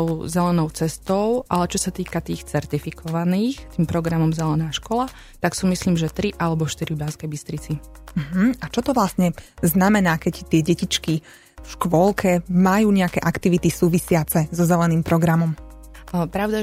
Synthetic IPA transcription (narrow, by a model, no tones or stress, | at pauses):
ʊzɛlɛnɔʊt͡sɛst̪ɔʊʔalɛt͡ʃɔsat̪iːkat̪iːxt͡sɛɾt̪ifikʰɔʋaniːxt̪iːmpɾɔɡɾamɔmzɛlɛnaːʃkɔla | t̪aksuːmisliːmʒɛt̪ɾiʔalɛbɔʃt̪iɾiubaskɛjbist̪ɾit͡si | m̩ɦm̩at͡ʃɔt̪ɔʋlasɲɛznamɛnaːkɛct̪ɪɛɟɛcit͡ʃki | fʃkʋɔlˠkʰɛmajuːɲɛakɛʔakt̪iʋit̪isuːʋisɪat͡sɛzɔzɛlɛniːmpɾɔɡɾamɔm | pɾaʊd̪a